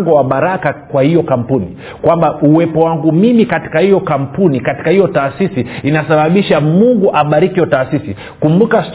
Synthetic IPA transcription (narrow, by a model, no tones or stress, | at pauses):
ŋɡɔwaɓaɾakakwahijɔkam̩puni | kwambauwɛpɔwaŋɡumimikati̥kahijɔkam̩punikati̥kahijɔtaːsisiinasaɓaɓiʃamuŋɡuʔaɓaɾikiɔtaːsisi | kumbukast